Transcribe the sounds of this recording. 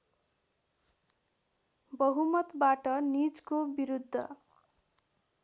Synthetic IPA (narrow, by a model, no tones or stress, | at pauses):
bʌɦumʌt̪baʈʌnid͡zkobiɾud̪ʱːʌ̰